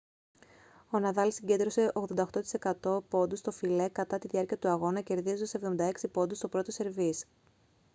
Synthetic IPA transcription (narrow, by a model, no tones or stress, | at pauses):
o̞nɐðɐlsiɟe̞nd̪ɾo̞se̞ʔoɣðond̪ɐxt̪o̞t̪i̥se̞kɐt̪o̞po̞nd̪ust̪o̞file̞kɐt̪ɐt̪iðiɐɾciɐt̪uɐɣo̞nɐce̞ɾðizosevðo̞mind̪ɐeksipo̞nd̪ust̪opɾo̞t̪ose̞ɾvis